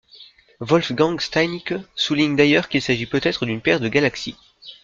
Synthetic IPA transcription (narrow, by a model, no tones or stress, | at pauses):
vɔlfɡɑ̃ɡst̪ajniksuliɲd̪ajœʁkilsaʒipøt̪ɛt̪χəd̪ynpɛʁd̪əɡalaksi